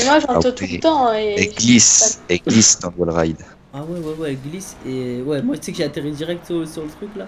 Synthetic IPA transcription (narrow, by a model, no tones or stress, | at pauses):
mwaʒɑ̃t̪ult̪ɑ̃eɛɡlisɛɡlisd̪ɑ̃lwɛlʁajd̪ | awɛwɛwɛɡlisewɛmwaʒəsɛkəʒeat̪eʁid̪iʁɛk̚t̪syʁləsyʁlət̪χykla